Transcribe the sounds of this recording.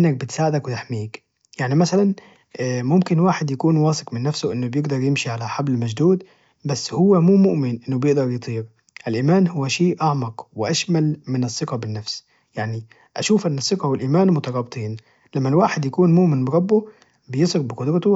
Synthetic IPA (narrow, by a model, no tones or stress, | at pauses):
ʔɪnːæk̚bɪt̪saːʕɪd̪akwɪt̪aħmiːk | jaʕnimasalanː | mʊmkɪnwaːħɪd̪jakuːnwɑːsɪqmɪnːæfsʊʔɪnːʊbjɪɡd̪ɑɾˤjɪmʃiʕalaħablmaʒd̪uːd̪ | basːhʊwːæmuːmʊʔmɪnʔɪnːʊbjɪʔd̪ɑɾˤjɨt̪ˤiːɾ | ʔɪlʔiːmaːnhʊwːæʃeːʔaʕmɑqwɪʔaʃmælmɪnɑsˤːɨqɑbɪnːafs | jaʕni | ʔaʃuːfʔɪnːɑsˤːɪqɑhwɪlʔiːmaːnmʊt̪ɑɾˤɑːbt̪ˤiːn | lamːælwaːħɪd̪jakuːnmʊʔmɪnbɪɾˤɑbːʊ | bɪjesˤɑɾbɪqʊd̪ɾɑt̪ʊ